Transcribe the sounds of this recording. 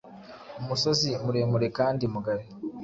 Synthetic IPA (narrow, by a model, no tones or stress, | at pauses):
omuso̞zimuɾe̞ːmuɾe̞kaːndimuɡaɾe